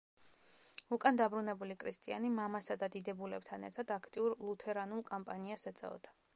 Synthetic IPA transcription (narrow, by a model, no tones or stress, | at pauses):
ukʼand̪abɾunɛbulikʰɾist̪ʼia̰nimamasad̪ad̪id̪ɛbulɛb̚t̪ʰanɛ̰ɾt̪ʰad̪akʰt̪ʼiuɾlˠut̪ʰɛɾanulˠkʼɔmpʼaniasɛt̪sʼɛ̰ɔ̰d̪̥a